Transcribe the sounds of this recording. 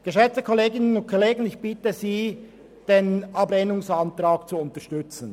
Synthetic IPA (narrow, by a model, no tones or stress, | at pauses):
ɡ̥əʃɛt͡stəkʰɔleːɡɪnənʊnt̚kʰoleːɡən̩ɪçb̥ɪtəziː | d̥eːnɑbleːnʊŋsɑntɾaːkt͡suʊntəʃtʏt͡sn̩